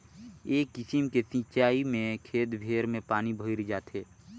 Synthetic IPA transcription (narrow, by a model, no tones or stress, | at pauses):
eːkːɪsimkesɪ̃t͡ʃaːimẽkʰeːt̪bʱeːɾmẽpaːnibʱəɪɾd͡ʒaːt̪ʰɦeː